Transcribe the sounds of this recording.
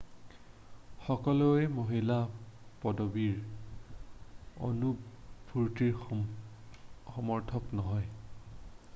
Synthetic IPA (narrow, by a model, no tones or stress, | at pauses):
xɔkɔloɛmoɦilapɔdobiɹ | o̰nupbʱuɹtiɹ | xɔmɔɹtʰɔknɔɦɔj